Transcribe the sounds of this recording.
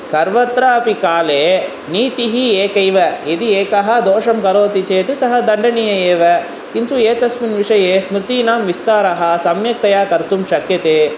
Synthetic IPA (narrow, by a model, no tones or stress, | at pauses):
sɐɾʋɐt̪ɾɐɐpikaːleː | niːt̪iɦieːkɐjʋɐid̪ieːkɐɦɐd̪ɔːʂɐmkɐɾoːt̪it͡ʃeːt̪usɐɦɐd̪ɐɳɖɐnijɐeːʋɐ | kint̪ueːt̪ɐsminʋiʂɐjeːsmɾit̪iːnaːmʋist̪aːɾɐɦɐsɐmjɐk̚t̪ɐjaːkɐɾt̪umʃɐkjɐt̪eː